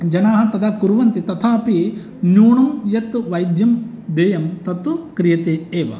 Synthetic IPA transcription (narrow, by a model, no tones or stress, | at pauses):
d͡ʒɐnaːɦɐt̪ɐd̪ɐkuɾuʋɐnt̪it̪ɐt̪ʰaːpi | njuːɳɐmjɐt̪ʋɐjd̪jɐm | d̪eːjɐmt̪ɐt̪ukɾijɐt̪eːeːʋɐ̰